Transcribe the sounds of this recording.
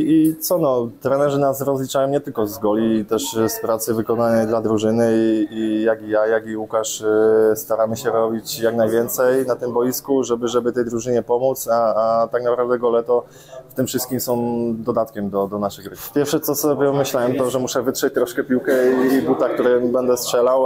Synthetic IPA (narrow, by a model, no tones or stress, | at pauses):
it̪sɔnɔt̪ɾɛnɛʐɛnasɾɔzlʲit͡ʂajɔ̃w̃ɲɛt̪ɘlkɔzɡɔlʲit̪ɛʂspɾat̪sɘvɘkɔnanɛjd̪lad̪ɾuʐɘnɘiijaɡijajaɡiukaʂst̪aɾamɘɕɛɾɔbʲit͡ɕjaknajvʲjɛnt̪sɛjnat̪ɘmbɔjiskuʐɛbɘʐɛbɘt̪ɛjd̪ɾuʐɘɲɛpɔmut̪saːt̪aɡnapɾavd̪ɛɡɔlɛt̪ɔ | ft̪ɘmfʂɘst̪kʲimsɔ̃w̃d̪ɔd̪at̪̚kʲɛmd̪ɔd̪ɔnaʂɘɣɡɾɘpʲjɛɾfʂɛt̪sɔsɔbʲjɛɔmɘɕlawɛmt̪ɔʐɛmuʂɛvɘt̪ʂɛt͡ɕt̪ɾɔʂkɛpʲiwkɛibut̪ak̚t̪uɾɛbɛnd̪ɛstʂɛlaw